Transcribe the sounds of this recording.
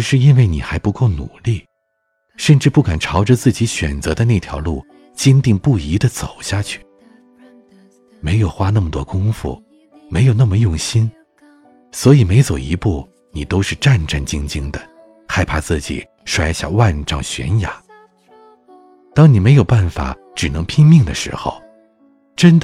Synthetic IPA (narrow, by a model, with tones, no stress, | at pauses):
ʂɻ̩˥˧i˥nwe˥˩ɪni˨˩xa˧˥ɪpu˧˥ko˥˩ʊnu˨˩li˥˩ | ʂə˥˧nʈ͡ʂɻ̩˥˧pu˥˩ka˨˩nʈ͡ʂʰɑ˧˥ʊʈ͡ʂə˥˧t͡sɹ̩˥˩t͡ɕi˧˥ɕɥɛ̰˨˩nt͡sɤ˧˥d̪ə˧na˥˩ɪt̪ʰjɑ̰˧˥ʊlu˥˩ | t͡ɕjɛ˥nt̪i˥˧ŋpu˥˩i˧˥d̪ə˧t͡so˨˩ʊɕja˥˧t͡ɕʰy̥˥˩ | me˧˥ɪjo˨˩ʊxwa˥na˥˩mə˩t̪wɔ˥kʊ˥ŋfṵ˥˩ | me˧˥ɪjo˨˩ʊna˥˩mə˩jʊ˥˩ŋɕi˥n | swɔ˧˥i˨˩me˧˥ɪt͡so˨˩ʊḭ˧˥pu˥˩ | ni˨˩t̪o˥ʊʂɻ̩˥˧ʈ͡ʂa˥˧nʈ͡ʂa˥˩nt͡ɕi˥ŋt͡ɕi˥ŋd̪ə˨ | xa˥˧˩ɪpʰa˥t͡sɹ̩˥˩t͡ɕḭ˨˩ | ʂwa˥˧ɪɕja̰˥˧wa˥˧nʈ͡ʂɑ˥˩ŋɕɥɛ̰˧˥nja̰˨˩˦ | t̪ɑ˥ŋni˨˩me˧˥ɪjo˨˩ʊpa˥˩nfa̰˨˩˦ | ʈ͡ʂɻ̩˨˩nɤ˧˥ŋpʰi˥ŋmi˥˩ŋd̪ə̰˩ʂɻ̩̰˧˥xo̰˧ʊ | ʈ͡ʂə˥nd̪ə˨